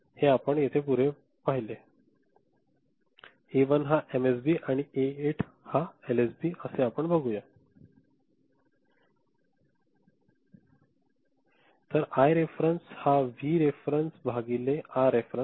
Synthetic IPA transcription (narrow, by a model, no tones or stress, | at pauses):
heapəɳjet̪ʰepuɾe | paɦile | eʋənɦaʔemes̬biːʔaɽ̃ieeʈʰ | haelesbiːʔəseapəɳbəɡuja | t̪əɾajɾefɾenshaʋiːɾefɾensbʱaɡileaɾefɾə